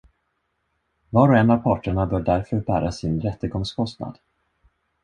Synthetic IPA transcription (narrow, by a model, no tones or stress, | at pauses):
vɑːɾɔɛnavpʰɑːʈəɳabœːɖɖæɾfœɾbæːɾasɪnɾɛt̪ːəɡɔŋskʰɔst̪na̰d̪̥